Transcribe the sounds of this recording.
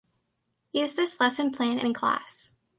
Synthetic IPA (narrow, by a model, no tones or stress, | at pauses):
jʉzðɪslɛsɨ̃npʰl̥æ̃nɨ̰̃nkʰl̥æ̰s